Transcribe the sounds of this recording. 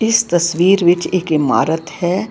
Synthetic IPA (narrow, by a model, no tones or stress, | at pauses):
ɪst̪ɐsʋiːɾʋɪt͡ʃeːkɪma̰ːɾət̪hɛː